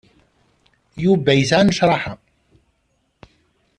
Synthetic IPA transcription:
jubæjθanəʃɾˤɑħa

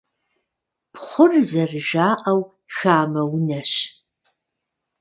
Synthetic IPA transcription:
pʰχʷʊrzɐrɨʒaːʔɐw | xaːmɐwnɐɕ

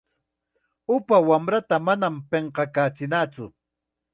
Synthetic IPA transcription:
ʊpawamɾat̪amanampeɴqɑkaːt͡sɪnat͡sʊ̰

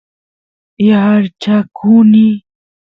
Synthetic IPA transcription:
jaaɾt͡ʃakʰuni

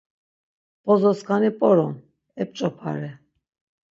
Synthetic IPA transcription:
pʼɔzɔskʰanipʼɔɾɔm | ɛp̚ʼt͡ʃʼɔpʰa̰ɾɛ

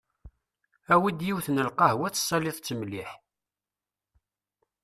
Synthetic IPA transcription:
æwid̪jiwθnəlqɑhwæt͡sːsˤːɑlɪðˤt͡sːəmliħ

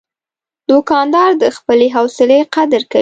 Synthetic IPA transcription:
d̪̥okɑnd̪ɑɾd̪əxpəleɦawsɪleqad̪əɾka

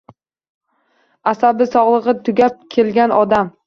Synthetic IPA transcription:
asabɪsɒʁlˠɨʁɨt̪ʰʊɡʲap̚kʲʰelɡʲanɒd̪am

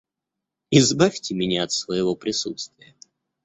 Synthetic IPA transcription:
ɪzbafʲtʲɪmʲɪnʲaɐt̪svəjɪvo̞pɾʲɪsṵt̪st̪vʲɪjə

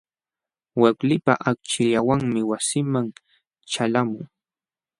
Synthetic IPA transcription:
waklɪpaʔak̚t͡ʃɪʎawaŋmɪwasɪmaŋ | t͡ʃalamʊŋ

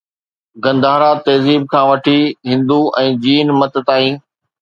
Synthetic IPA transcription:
ɡɐ̃nd̪aːɾat̪eːziːb̚kʰãːʋɐʈʰiɦɪ̃nd̪uʔɛ̃ːd͡ʑiːnmɐt̪t̪aːɦĩː

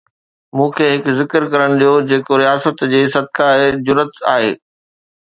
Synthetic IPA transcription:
mũːkʰeːɦɪkzɪkəɾkɐɾəɽ̃ɗijod͡ʑeːkoɾijaːsət̪d͡ʑeːsɐd̪̚kaed͡ʑʊɾət̪a̰ːɦḛː

